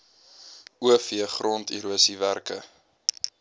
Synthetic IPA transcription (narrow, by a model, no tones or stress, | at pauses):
uəfiəχrɔntḭɾuəsiværkə̰